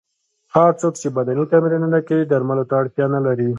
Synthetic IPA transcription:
haɾt͡sokt͡ʃebad̪anit̪amiɾanənakawid̪aɾmalot̪aːɽt̪jɑnalaɾi

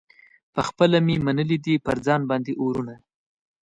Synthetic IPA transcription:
pəxpəlamimanəlid̪ipəɾd͡zɑnbɑnd̪eʔoɾuna

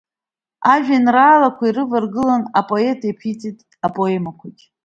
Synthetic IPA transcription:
aʒᶣanraːlakʷʰairɨvarɡɨlanapʼo̞e̞tʼepʰit͡sʼitʼ | apʼo̞emakʷʰatʲʼ

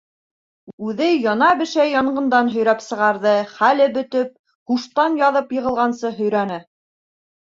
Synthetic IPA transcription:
ʉðɘjɒnɑbɘ̆ʃæjɑɴɢɤ̆nd̪ɑnɦɵ̆jɾæpsɤ̆ʁɑɾðɤχælɘbɵ̆t̪ɵp̚ | huʃt̪ɑnjɑðɤpjɤ̆ʁɤ̆lˠʁɑnsɤɦɵ̆jɾænɘ

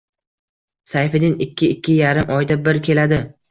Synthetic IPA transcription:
sajfɪd̪ɪnɪkʲːɪɪkʲʰːɪjaɾɪmʔɒjd̪abɪɾkʲʰe̞lad̪ɪ

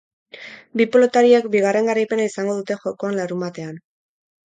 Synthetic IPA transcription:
bipolo̞t̪aɾiekbiɣare̞ŋɡaɾajpe̞naisaŋɡo̞ðut̪e̞xo̞ko̞anlaɾumat̪e̞an

